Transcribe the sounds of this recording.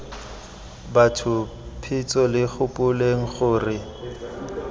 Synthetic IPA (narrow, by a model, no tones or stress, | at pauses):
batʰʊ | pʰɪt͡sʼɔlɪχʊpʼʊleŋ̩χʊːrɪ